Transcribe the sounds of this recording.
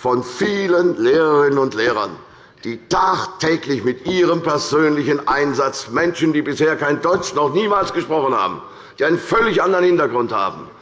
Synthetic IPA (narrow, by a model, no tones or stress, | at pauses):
fɔnfiːlənleːʁəʁɪnənʊntleːʁɐ̰n | d̥iːtaːχtʰɛːklɪçmɪtʔiːʁəmpɛɐzøːnlɪçənʔaɪnzat͡smɛnʃn̩diːbɪsheːɐkaɪndɔʏt͡ʃnɔχniːmaːlsɡ̥əʃpʁ̥ɔχənha̰ːbm̩ | d̥iːʔaɪnənfœlɪçʔandəʁɐənhɪntɐɡʁʊntha̰ːbm̩